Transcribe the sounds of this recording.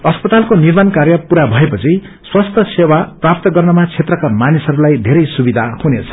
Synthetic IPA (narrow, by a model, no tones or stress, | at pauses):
ʌspʌt̪alkonirmankarjʌpuɾabʱʌepʌt͡sʰi | swast̪ʰʌsewaprap̚t̪ʌɡʌrnʌmat͡sʰet̪rʌkamanisʌɾulajd̪ʱeɾʌjsubid̪ʱahunet͡sʰʌ̥